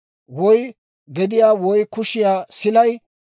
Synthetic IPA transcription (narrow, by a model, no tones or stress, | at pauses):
wɔj | ɡɛd̪ɪjaːwɔjkʊʃɪjaːsɪlɐj